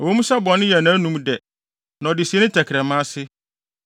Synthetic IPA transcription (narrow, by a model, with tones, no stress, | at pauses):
ɔ˨wo˦mũ˦sa˦bɔ̃˨nɪ̃˦jɛ˨nã˨˦nũ˨mdɛ˨ | nã˨ɔ˨dɪ˨si˨e˦nɪ̃˦tʰæ˨kʰɪɾɛ˨mã˦sɪ˦